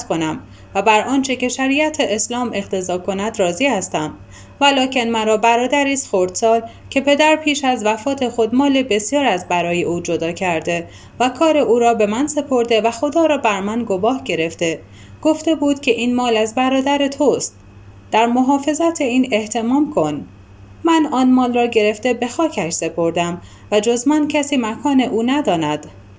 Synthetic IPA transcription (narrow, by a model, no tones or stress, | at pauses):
t̪kʰo̞næm | væbæɾʔɒːnt͡ʃʰece̞ʃæɾiːʔæt̪ʰeʔeslɒːmʔe̞qt̪ʰe̞zɒːkʰo̞næd̪rɒːzihæst̪æm | vælɒːcʰe̞nmænɾɒːbæɾɒːd̪æɾiːst̪xoɾd̪̥sɒːl | cʰe̞pʰe̞d̪æɾpʰiːʃæzvæfɒːt̪ʰe̞xo̞d̪mɒːle̞be̞sjɒːɾæzbæɾɒːje̞ʔuːd͡ʒo̞d̪ɒːcʰæɾd̪e̞ | vækʰɒːɾe̞ʔuːɾɒːbe̞mænse̞pʰo̞ɾd̪e̞væxo̞d̪ɒːɾɒːbæɾmænɡobɒːhɟe̞ɾe̞ft̪e̞ | ɡ̥oft̪e̞buːd̪̥cʰʲe̞ʔiːnmɒːlæzbæɾɒːd̪æɾe̞t̪ʰost̪ | d̪̥æɾmo̞ɦɒːfe̞zæt̪ʰe̞iːne̞ht̪ʰe̞mɒːmkʰo̞n | mænɒːnmɒːlrɒːɟe̞ɾe̞ft̪e̞be̞xɒːcʰæʃse̞pʰo̞ɾd̪æm | væd͡ʒo̞zmæncʰæsiːmækʰɒːne̞ʔuːnæd̪ɒːnæd̪̥